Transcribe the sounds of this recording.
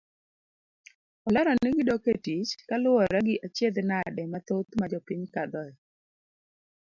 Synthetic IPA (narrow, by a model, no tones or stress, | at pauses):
ɔlaɾɔnɪɡɪdoketit͡ʃkalʊɔɾɛɡɪʔat͡ʃjed̪nadɛmat̪ot̪mad͡ʒɔpiɲkad̪ɔɛ